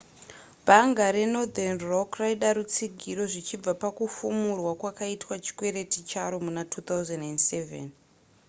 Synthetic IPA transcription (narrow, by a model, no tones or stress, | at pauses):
bʱaŋɡaɾeno̞d̪anrokraiɗaɾut͡siɡʱiɾo̞ʐit͡ʃib͡vapakufumurwakwakaitwat͡ʃi̥kwe̞ɾe̞tit͡ʃaɾomunatʰut̪awzenendsevḛn